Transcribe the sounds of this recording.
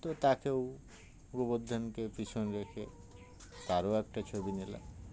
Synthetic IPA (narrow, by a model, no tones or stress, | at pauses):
t̪ot̪akew | uɡubod̪ʱːankepɾit͡ɕʰonɾekʰe | t̪aɾoɛk̚ʈat͡ɕʰobinila̰